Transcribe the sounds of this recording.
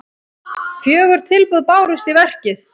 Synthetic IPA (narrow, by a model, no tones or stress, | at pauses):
fjœːɣʏɾ̥t̪ʰɪlpʏðpaːwɾʏst̪ivɛr̥cɪθ